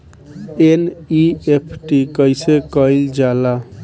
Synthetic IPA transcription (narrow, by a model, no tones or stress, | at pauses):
eniepʰʈikʌjsekʌjld͡ʒala